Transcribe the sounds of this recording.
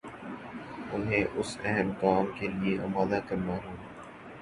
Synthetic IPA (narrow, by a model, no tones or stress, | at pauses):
ʊnɦẽːʔʊsɛɦəmkaːmkelieʔɐbaːd̪akɐɾnaːɦoː